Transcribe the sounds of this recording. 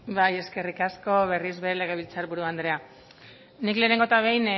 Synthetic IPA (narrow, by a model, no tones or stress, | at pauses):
baje̞ske̞rikasko̞βe̞rizβe̞ɾele̞ɣ̞e̞β̞it͡saɾβuɾuand̪ɾe̞a | nikle̞ːne̞ŋɡo̞t̪aβ̞e̞jn